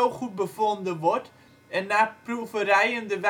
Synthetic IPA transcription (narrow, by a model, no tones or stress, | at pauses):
əlˠχut̚bəfondəʋɔrt | ɛnːaːprufərɛjəndəʋɛ